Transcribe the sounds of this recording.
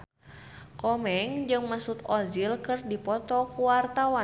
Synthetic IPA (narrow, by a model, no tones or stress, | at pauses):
kɔmɛŋd͡ʒɨŋmasut̪ɔd͡ʒilkɨrdipɔt̪ɔkuwart̪awa